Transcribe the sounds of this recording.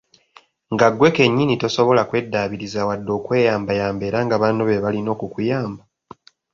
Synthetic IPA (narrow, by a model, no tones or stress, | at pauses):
ŋɡaɡwe̞ke̞ɲːinito̞so̞βo̞lakwe̞dːaːβiɾizawadːo̞ːkwe̞ːjaːmbajaːmbe̞ːɾaŋɡaβaːnoβe̞βalino̞ːkukujaːmba